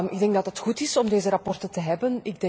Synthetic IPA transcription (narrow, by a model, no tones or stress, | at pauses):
mɪɡ̚dɛŋɡ̚dɑtətxutɪsɔmdeːzəɾɑpɔrtəntəɦɛbənɪɡ̚dɛ